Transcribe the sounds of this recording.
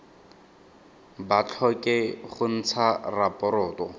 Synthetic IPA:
bat͡ɬʰɔkʼɪχʊn̩t͡sʰarapʼɔɾʊːtɔ

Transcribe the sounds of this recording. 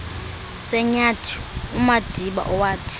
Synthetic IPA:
sɛɲatʰi̥umad̥ʱiɓa̰ʔɔwaːtʰi̥

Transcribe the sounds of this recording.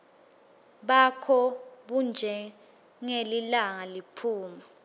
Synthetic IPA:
ɓakʰɔɓund͡ʒʱɛ | ŋelilaŋalipʰuːma

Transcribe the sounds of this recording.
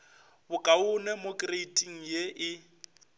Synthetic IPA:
bʊkʼaʊnɛmokʼreitʼiŋ̩jeʔɪ

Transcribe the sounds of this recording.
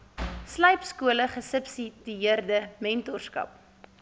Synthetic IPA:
sləjpskuələχəsəpsidiiərdəmɛntorskɐ̰p

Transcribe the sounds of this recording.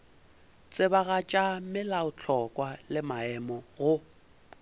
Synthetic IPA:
t͡sʼɪbaɣat͡ʃʼamɪlaʊt͡ɬʰɔkʼwalɪmaɛmɔɣʊ

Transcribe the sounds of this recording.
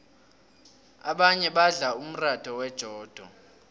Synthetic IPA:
aɓaɲɛɓaɮaum̩rad̥ʰʱɔwɛd̥ʒ̥ʱɔːd̥ʱɔ̰

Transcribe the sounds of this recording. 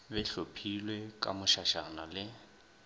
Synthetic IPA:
bɛɬopʰilwɛkʼa̰mʊʃaʃanalɪ

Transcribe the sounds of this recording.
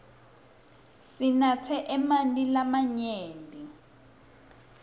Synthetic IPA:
sinat͡sʰɛʔɛmanilamaɲeːndʱʼi

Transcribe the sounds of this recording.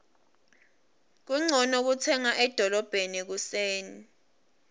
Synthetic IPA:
k̬uŋ͡ǀʱɔnɔk̬ut͡sʰɛŋaʔɛd̥ʱɔlɔb̥ʱenik̬useːni

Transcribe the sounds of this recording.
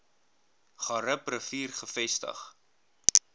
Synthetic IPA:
χɑɾəprəfiːrχəfɛstə̰χ

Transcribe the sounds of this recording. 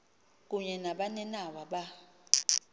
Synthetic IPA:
k̬ʼuɲɛnaɓanɛnawaɓa

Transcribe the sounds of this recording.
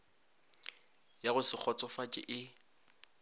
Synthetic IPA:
jaɣʊsɪk͡xʰɔt͡sʼɔfat͡ʃʼɪ̰ʔɪ

